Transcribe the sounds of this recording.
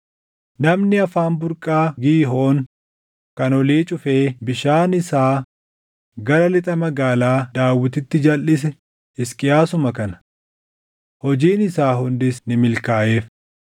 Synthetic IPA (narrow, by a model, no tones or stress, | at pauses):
nɐmnɪɐfaːnbʊɾkʼaːɡiːɦo̞ːŋ | kɐnɔliːt͡ʃʼʊfeːbɪʃaːnɪsaː | ɡɐɾɐlɪt̪ʼɐmɐɡaːlaːd̪aːwːɪt̪ɪt̪ːɪd͡ʒɐlʔɪs̬ɛ | ɪskʼɪjaːsʊmɐkɐnɐ̥ | hɔd͡ʒiːnɪsaːɦʊnd̪ɪsnɪmɪlkaːʔe̞ːf